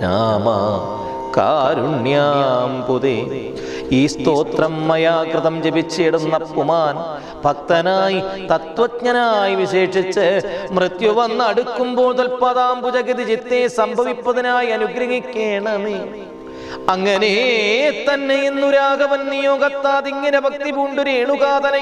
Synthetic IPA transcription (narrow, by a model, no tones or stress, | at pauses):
na̰ːmɐ̰ | ka̰ːɾuɳjaːmpuðe | iːst̪oːt̪rɐmːɐjaːɡɾɨðɐmt͡ɕebit͡ɕːeːɽunːɐpːumaːn | bʱɐk̚t̪ɐnaːjit̪ɐt̪ʋɐkɲɐnaːjiʋiɕe̞ːʂit͡ɕːɨmrɨt̪juʋɐnːɐɽukːumbo̞ːɭt̪̬ɐlpɐðaːmpud͡ʑɐɣiðid͡ʑit̪ːeːsɐmbʱɐʋipːɐðɐnaːjiɐnuɡɾɐɣikʲːeːɳɐni | ɐŋːɐnet̪ɐnːejinːuɾaːɡɐʋɐnnijoːɡɐt̪ːaːðiŋːɐnɾɐbʱɐk̚t̪ibuɳɖuɾeɳuɣaːd̪ɐnɐ